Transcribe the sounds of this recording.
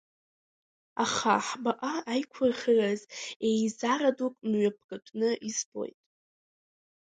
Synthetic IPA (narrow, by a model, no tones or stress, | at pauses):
aχaħbaʔaːjkʷʰarχərazejzaradukʼnɥap̚ʰɡʼatʷʰʼnɨʔizbo̞̰jtʼ